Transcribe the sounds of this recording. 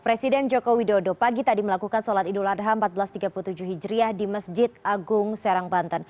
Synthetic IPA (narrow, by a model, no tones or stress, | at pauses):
pɾesidɛnd͡ʒokowidodopaɡit̪adiməlakukansɔlat̪iduladɦaəmpat̪̚bəlast̪iɡapulut̪ud͡ʒuɦid͡ʒɾiahdiməsd͡ʒɪt̪̚aɡʊŋsaɾaŋbant̪an